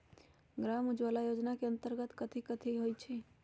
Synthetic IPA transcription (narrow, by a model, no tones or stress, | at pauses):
ɡɾamud͡ʒʋalajod͡ʒnakeənt̪əɾɡət̪kət̪ʰikət̪ʰiɦojt͡ʃʰɛ